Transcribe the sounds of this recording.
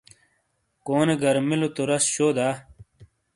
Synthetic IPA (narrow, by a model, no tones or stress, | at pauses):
koːneɡɐɾmilot̪oɾɐsɕoːd̪aː